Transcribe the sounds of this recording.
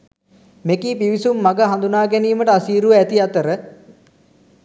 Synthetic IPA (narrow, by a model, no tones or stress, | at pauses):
mekiːpiʋisumːaɡəɦand̪unaːɡæniːməʈəasiːɾuʋəæt̪iat̪əɾə